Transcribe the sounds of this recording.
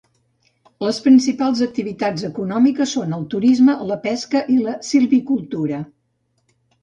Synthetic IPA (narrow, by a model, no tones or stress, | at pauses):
ləspɾinsipalˠzək̚t̪iβit̪ad͡zəkunɔmikəsːonəlˠt̪uɾizmələpɛskəʔiləsilˠβikulˠt̪uɾə